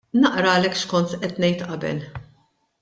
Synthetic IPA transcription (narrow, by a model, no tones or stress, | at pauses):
nɐʔɾɐːlɛkːʃkɔnt̪ʔɛt̪nɛjt̪ʔɐbɛ̰l